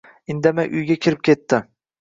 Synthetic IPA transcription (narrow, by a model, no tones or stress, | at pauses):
ɪnd̪amajʔʊjɡʲakʲʰɪɾɪp̚kʲʰe̞t̪ːɪ